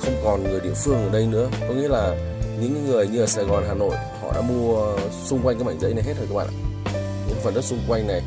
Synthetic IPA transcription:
xə˧wŋ͡mkɔ˨˩nŋɨ˨˩əjɗḭ˧˩əfɨ˧əŋʔəː˨˩ɗə˧jnɨ̰˧˥əkɔ˨˦ŋḭ˧˥əlaː˨˩ | ɲɨ̰˧˥ŋːɨ˨˩əjɲɨ˧ʔəː˨˩saː˨˩ɣɔ˨˩nɦaː˨˩no̰˧˨j | hɔ̰˧˨ɗa̰ː˧˥mu˧əəsʊ˧ŋ͡mkwa˧jŋaː˦jɓaː˧˩ŋzə̰˧˥jna˨˩jɦe˦˥t̚ə˨˩kaː˦˥ɓa̰ː˧˨ʔaː˧˨˩ | ɲɨ̰˧˥ŋfə˨˩tə˦˥k̚sʊ˧ŋ͡mkwa˧jŋna˨˩j

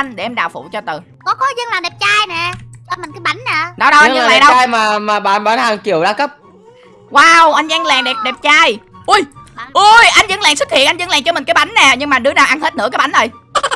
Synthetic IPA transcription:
jŋ̟ɗe˧˩ʔɛ˧mɗaː˨˩wfṵ˧˨t͡ɕɔ˧t̪ɨ˨˩ | kɔ˨˦kɔ˨˦zə˧ŋlaː˨˩ɗɛ˨˩p̚t͡ɕaː˧jnɛ˨˩t͡ɕɔ˧mi˨˩ŋ̟kɨ˨˦ɓa˨˩˦nnɛ˨˩ɗɔ˨˦ɗɔ˨˦ʔa˧˨laː˨laː˨˩nɗa˧jmaː˨˩maː˨˩ɓa̰ː˨˩nɓaː˨˦nhaː˨˩ŋki˨˩əwɗaː˨˦˥kə˦˥p̚ | waː˧wʔa˧jŋzaː˧ŋlaː˨˩ŋɗɛ˨˩p̚ɗɛ˨˩p̚t͡ɕaː˧jʔu˧˩jʔu˧jʔa˧jŋ̟zə̰˧˥ŋlaː˨˩ŋswk̚hḭ˧˨ənʔa˧jŋzə̰˧˥ŋlaː˨˩ŋt͡ɕɔ˧mi˨˩ŋ̟kaː˨˦jɓa˨˦nnɛː˨˩ɲɨ˧ŋmaː˨˩ɗɨ˨˦ənaː˨˩ʔa˧nhe˦˥t̚nɨ˧˥aː˨˦jɓa˧˩˦nʔə˨˩j

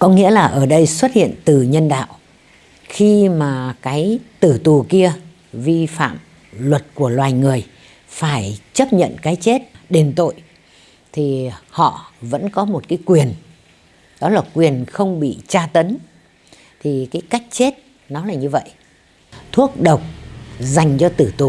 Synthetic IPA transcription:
kɔ˨˦ŋḭ˧˥əlaː˨˩ʔəː˧˩ɗə˧jswə˦˥t̚hḭ˧˨ənt̪ɨ˨˩ɲə˧nɗa̰ː˧˨w | xi˧maː˨˩kaː˨˦jt̪ɨ˧˩t̪u˨˩ki˧ə | vi˧fa̰ː˧˨m | lwə˨˩t̚ku˧˩əlwaː˨˩jŋɨ˨˩əj | faː˧˩jt͡ɕə˦˥p̚ɲə̰˧˨nkaː˨˦jt͡ɕe˦˥t̚ɗe˨˩nt̪o̰˧˨j | t̪ʰi˨˩hɔ̰˧˨və̰˧˥nkɔ˨˦mo˨˩t̚kaː˨˦jkwi˨˩ən | ɗɔ˨˦laː˨˩kwi˨˩ənxə˧wŋ͡mɓḭ˧˨t͡ɕaː˧t̪ə˨˦n | t̪ʰi˨˩kaː˨˦jka˦˥jk̟̚t͡ɕe˦˥t̚ | nɔ˨˦laː˨˩ɲɨ˧və̰˧˨jʔ | t̪ʰu˦˥ək̚ɗə˨˩wk͡p̚za˨˩jŋ̟t͡ɕɔ˧t̪ɨ˧˩t̪u˨˩

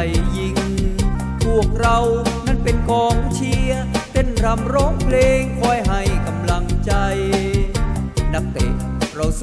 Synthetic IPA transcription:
jːi˧ŋ | pʰu˧˩ək̚ɾa˧wna˦˥˩npe˧nkɔː˧ŋt͡ɕʰi˧ət̪e˧˥˩nɾa˧mɾɔː˦˥ŋpʰleː˧ŋkʰɔː˧˩jɦa˧˩jka˧mla˧ŋt͡ɕa˧j | na˦˥k̚t̪ɛ̰ː˨˩ɾa˧ws

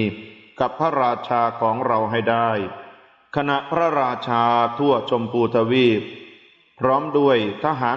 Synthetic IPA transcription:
ka˨˩pʰːa˦˥ɾaː˧t͡ɕʰaː˧kʰɔː˩˦ŋɾa˧wɦa˥˩jda˥˩j | kʰa˧na˨˩ʔpʰɾa˦˥ɾaː˧t͡ɕʰaː˧t̪ʰu˥˩ɐt͡ɕo˧mpuː˧t̪ʰa˧wiː˥˩p̚ | pʰɾɔː˦˥mdu˥˩əjt̪ʰaː˧ɦaː˩˦

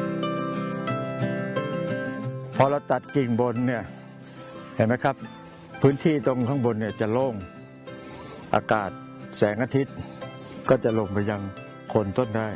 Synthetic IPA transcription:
pʰɔ˧˨la˧˩wt̪a˨˩t̪̚ki˨˩ŋbo˧nːi˧˩ɐ | ha˨˩jma˧˥jkʰa˦˥p̚ʰː | ɯː˧˥nt̪ʰiː˧˩t̪o˧ŋk̪ʰaː˧˥˨ŋbo˧nːiː˧˩ɐt͡ɕa˨˩loː˧˥˩ŋ | ʔa̰ː˧kaː˨˩t̪̚ | sɛː˩˦ŋʔaː˧t̪ʰi˦˥t̪̚ | kɔː˧˩t͡ɕa˨˩ʔlo˧˩ŋpʰa˧ja˧ŋ | kʰo˧nt̪o˧˥˨nda˧˥˩j

